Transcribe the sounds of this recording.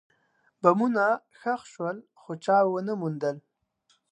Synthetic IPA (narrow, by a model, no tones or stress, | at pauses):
bamuna | xaxʃwəl | xot͡ʃɑwənəmund̪əl